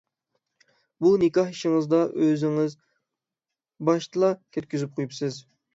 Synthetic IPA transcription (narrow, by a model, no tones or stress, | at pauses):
bunɪkɑhiʃɪŋɨzd̪ɑʔøzɪŋɪz | bɑʃt̪ɨlˠɑkʲʰɛt̪̚kʲyzyp̚qʰojupsɨz